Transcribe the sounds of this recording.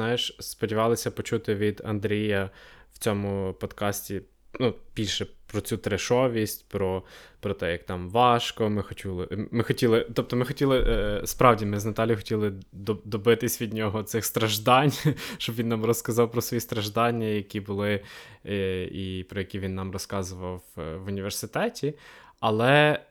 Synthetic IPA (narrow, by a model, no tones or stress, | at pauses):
nɑjɪʃspɔdʲiʋɑlˠɪsʲɐpɔt͡ʃut̪ɪʋʲid̪ɐ̰nd̪ɾʲijɐw̥t͡sʲɔmʊpɔd̪kɑsʲtʲi | nub̥ʲilʲʃɛpɾɔt͡sʲut̪ɾeʃɔʋʲisʲtʲpɾɔpɾɔt̪ɛjɐk̚t̪ɑmʋɑʃkɔmɪxɔt͡ʃʲulˠɪmɪxɔtʲilˠɪt̪ɔp̚t̪ɔmɪxɔtʲilˠɪspɾɑwdʲimɪznɐt̪ɑlʲjʊxɔ̥tʲilˠɪd̪ɔd̪ɔbɪt̪ɪsʲʋʲid̪ʲnʲɔɦɔt̪sɪxst̪ɾɐʒd̪ɑnʲʃt͡ʃɔbʋinːɑmrɔskɐzɑwpɾɔsʋɔjist̪ɾɐʒd̪ɑnʲːɐjɐkʲibʊlˠɪ | ipɾɔjɐkʲiʋʲinːɑmrɔskɑzʊʋɐwʋʋʊnʲiʋersɪt̪ɛtʲiɐlˠɛ